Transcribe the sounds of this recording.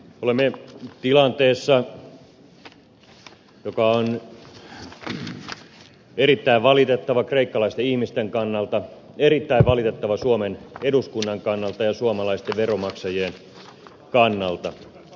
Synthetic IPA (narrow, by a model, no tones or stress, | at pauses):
olemːet̪ilɑnt̪eːsːɑ | jokɑon | eɾit̪ːæiʋʋɑlit̪et̪ːɑʋɑkreikːɑlɑist̪eihmist̪eŋkɑnːɑlt̪ɑ | erit̪ːæiʋʋɑlit̪et̪ːɑʋɑsuomeneduskunːɑŋkɑnːɑlt̪ɑjɑsuomɑlɑist̪eʋʋeromɑksɑjeːn | kɑnːɑlt̪ɑ